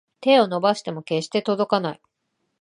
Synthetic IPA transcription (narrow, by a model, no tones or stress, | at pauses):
t̪e̞ːo̞no̞baɕi̥t̪e̞mo̞ke̞ɕi̥t̪e̞t̪o̞d̪o̞kanai